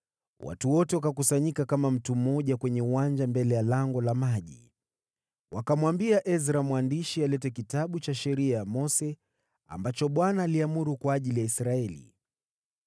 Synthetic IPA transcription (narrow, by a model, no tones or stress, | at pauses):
wʔa̰tuwɔtɛwakakusaɲikakamam̩tum̩ɔʄakwɛɲɛuwand͡ʒambɛlɛjalaŋɡɔlamaʄḭ | wʔakamwambiaʔɛzɾamwandiʃialɛtɛkitaɓut͡ʃaʃɛɾiajamɔsɛ | a̰mbat͡ʃɔɓwanaːliamuɾukwaːʄilijaisɾaɛlḭ